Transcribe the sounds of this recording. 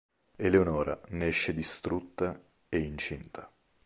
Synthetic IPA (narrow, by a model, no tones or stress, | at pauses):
eleonɔːɾa̰nɛʃːed̪ist̪ɾut̪ːa | eint͡ʃint̪ʰa